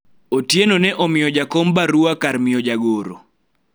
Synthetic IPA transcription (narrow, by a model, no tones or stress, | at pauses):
otjenonɛʔɔmɪjɔd͡ʒakombaɾuakarmɪjɔd͡ʒaɡoɾo̰